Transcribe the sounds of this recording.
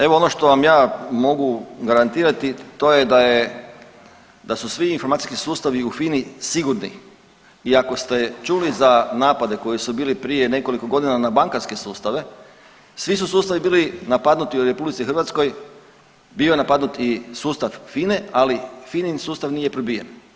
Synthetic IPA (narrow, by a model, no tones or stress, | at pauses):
e̞ʋo̞o̞no̞ʃt̪o̞ʋamjaːmo̞ɡuɡaɾant̪iːɾat̪it̪o̞je̞d̪aje | d̪asusʋiːnfo̞ɾmat̪iskisuːst̪aʋiufinisiɡuɾnḭ | iako̞st̪e̞t͡ʃuːlizanaːpad̪e̞ko̞jisubiːlipɾije̞ne̞ko̞liko̞ɡo̞d̪inanabaŋkaɾske̞suːst̪aʋe̞ | sʋis̬usuːst̪aʋibiːlinapad̪nut̪ioɾe̞publit̪sixɾrʋat̪sko̞j | biojenapad̪nut̪isuːst̪aʋfinealifininsuːst̪aʋnije̞pɾobijḛn